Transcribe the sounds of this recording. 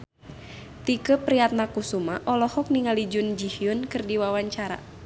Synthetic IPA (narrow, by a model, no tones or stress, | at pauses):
t̪ikəpɾiat̪̚nakusumaʔɔlɔhɔk̚niŋalid͡ʒʊnd͡ʒihiʊnkɨrdiwawaɲt͡ʃaɾa̰